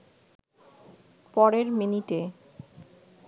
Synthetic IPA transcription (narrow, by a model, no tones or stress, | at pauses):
pɔɾeɾminiʈe